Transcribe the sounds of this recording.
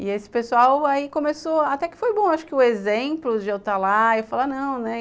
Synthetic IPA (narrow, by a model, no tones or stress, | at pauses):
ɪesɪ̥pesuawaikõmesoat̪ɛkɪ̥fojbõaʃʊ̥kɪʊezẽplʊd͡ʒɪewt̪alaewfalanɐ̃w̃nɛ